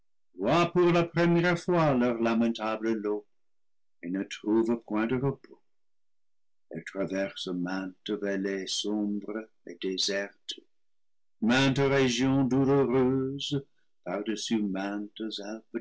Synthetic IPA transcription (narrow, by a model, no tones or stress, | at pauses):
vwapuʁlapχəmjɛʁfwalœʁlamɛ̃t̪abləlo | enət̪χuvəpwɛ̃d̪əʁəpʰo̥ | ɛ̰lt̪χavɛʁsəmɛ̃t̪əvɛlɛsɔ̃bʁə | ḛd̪ezɛʁt̪ | mɛ̃t̪əʁeʒjɔ̃d̪uloʁøzə | paʁd̪əsymɛ̃t̪əzalb